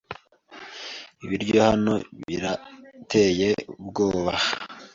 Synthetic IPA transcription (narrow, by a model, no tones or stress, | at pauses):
iβiɾɟo̞hano̞βḭɾatʰe̞ːje̞ubɡoːβa